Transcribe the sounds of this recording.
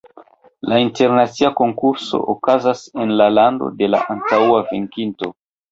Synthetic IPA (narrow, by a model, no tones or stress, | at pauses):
lainte̞ɾnat͡siako̞ŋkuɾso̞̰ʔokazase̞nlalando̞̰de̞la̰ʔantawaveŋkinto̞